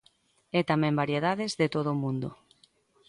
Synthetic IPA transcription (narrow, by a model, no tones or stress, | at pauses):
ɛt̪amɛ̃mbaɾjeðaðezðet̪oðomũnd̪o̰